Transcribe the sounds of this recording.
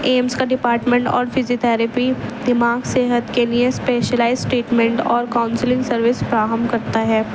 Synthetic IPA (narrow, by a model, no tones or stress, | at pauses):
eːmskaɖɪpaːɾʈmẽɳʈɔ̰ːɾfɪziot̪ʰɛːɾəpid̪ɪmaːɡseːɦət̪keliespeːʃəlaːɪzsʈeːʈmɛ̃ɳʈɔːɾkaːʊnslɪ̃ŋɡsɐɾʋɪspɾaːɦəmbkɐɾt̪aɦɛː